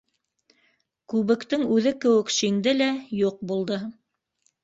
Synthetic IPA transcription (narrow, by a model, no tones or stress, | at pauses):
kʉβɘ̆kt̪ɘŋʉðɘkɘ̆wɘ̆kʃiŋd̪ɘlæjuq̚bulˠd̪ɤ